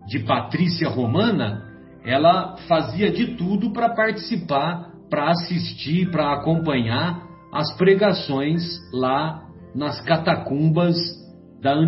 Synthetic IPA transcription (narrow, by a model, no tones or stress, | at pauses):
d͡ʒɪpat̪ɾisiɐhomɐ̃nɐ̰ | ɛlɐfaziɐd͡ʒɪt̪ud̪ʊpɾɐpaɾt͡ʃi̥sipaɾ | pɾɐasist͡ʃipɾɐːkõmpɐ̃ɲaɾ | ɐspɾeɡasõj̃sla | nɐskat̪akũbɐz | d̪ɐɐ̃